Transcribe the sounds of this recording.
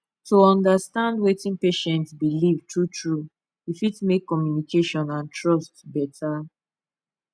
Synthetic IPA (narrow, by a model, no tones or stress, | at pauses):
tuɔ̃ndastãndwetĩnpeʃɛ̃ntsbilivtʰutɹu | ifitmekːɔmjunikeʃɔ̃nãntɹɔstbɛtʰa